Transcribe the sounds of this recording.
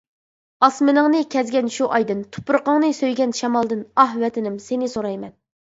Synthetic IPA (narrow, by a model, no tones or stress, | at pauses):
ɑsmɪnɨŋnɨkʲʰɛzɡʲɛnʃuʔɑjd̪ɨnt̪ʰu̥pɾəqəŋnɨsøjɡʲɛnʃɛmɑlˠd̪ɨnɑɦwɛt̪ʰɪnɪmsenɪsoɾɑjmɛn